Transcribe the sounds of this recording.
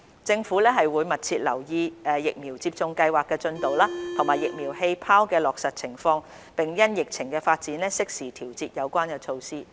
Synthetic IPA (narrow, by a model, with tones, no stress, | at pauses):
t͡sɪ˧ŋfuː˨˥lɛː˥ɦɐ˨jwuː˨˧jmɐ˨t̚t͡sʰiː˧t̚lɐ̰˨˩wjiː˧ɛː˨jɪ˨k̚miː˨˩wt͡si˧p̚t͡sʊ˧ŋkɐ˧jwaː˨kːɛː˧t͡ʃɵ˧nt̪o˨wlaː˥t̪ʰo˨˩ŋmaː˨˩jɪ˨k̚miː˨˩wɦe˧jpʰaː˥wkɛː˧lɔː˨k̚sɐ˨t̚t͡sʰɪ˨˩ŋfɔː˧ŋ | pɪ˨˩ŋjɐ˥njɪ˨k̚t͡sʰɪ˨˩ŋkɛː˧faː˧t̚t͡siː˨˥nlɛː˥sɪ˥k̚siː˨˩t̪ʰiː˨˩wt͡siː˧t̚jɐ˨˧wkʷaː˥nkɛː˧t͡ʃʰo˧wsiː˥